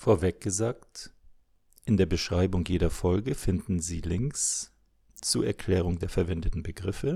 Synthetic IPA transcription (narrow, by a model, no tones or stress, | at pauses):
foːɐvɛk̚ɡ̥əzaːk̚t | ʔɪndeːɐbəʃʁ̥aɪbʊŋjeːdɐfɔlɡəfɪndn̩ziːlɪŋks | t͡suɐʔɛɐkʰl̥ɛːʁ̞ʊŋdeːɐfɛɐvɛndətn̩bəɡʁɪfə